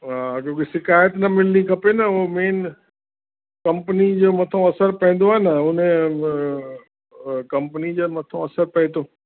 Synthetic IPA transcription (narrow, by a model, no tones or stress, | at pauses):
ɦakõːkesɪkaːjət̪nɐmɪlnikʰɐpenɐomeːn | kɐ̃mpənid͡ʑoːmɐt̪ʰõɐsəɾpɐ̃ɦːn̆d̪oaːɦenɐʊnẽ | kɐmpnid͡ʑomɐt̪ʰõɐsəɾpɐĩt̪ʰoː